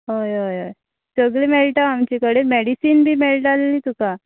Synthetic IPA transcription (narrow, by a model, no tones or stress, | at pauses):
ɦojɦojoj | səɡɭemelʈaamt͡ɕikəɽemɛɽisiːnbʱiːmeɭʈaleliːt̪uka